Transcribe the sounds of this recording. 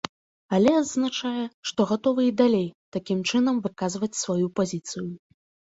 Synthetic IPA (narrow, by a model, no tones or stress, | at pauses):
alʲɛad̪znat͡ʂajɛʂt̪ɔɣat̪ɔvɨid̪alʲejt̪akʲimt͡ʂɨnɐmvɨkazvɐt͡sʲsvajupazʲit̪sɨju